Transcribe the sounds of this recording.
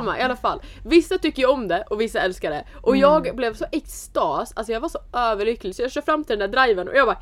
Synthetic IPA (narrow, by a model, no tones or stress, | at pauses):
mːa̰ʔɪalːafa̰lːvɪsːat̪ʏkːəjɔmd̪ɛʔɔvɪsːaɛlskaɖɛʔɔjɑːɡblɛvsɔʔɛkst̪ɑːsa̰t̪sɔjɑːɡvasɔʔøːvəɭʏkːlɪɡsɔjɑːɡɕœːɾfɾamːt̪ɪɛnd̪æɖɾajvənɔ̰jɑːɡbaː